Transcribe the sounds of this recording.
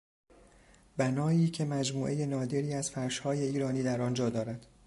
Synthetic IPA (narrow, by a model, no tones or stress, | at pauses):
bænɒːiːcʰe̞mæd͡ʒmuːʔe̞je̞nɒːd̪e̞ɾiːæz̥fæɾʃhɒːje̞iːɾɒːniːd̪æɾɒnd͡ʒɒːd̪ɒːɾæd̪̥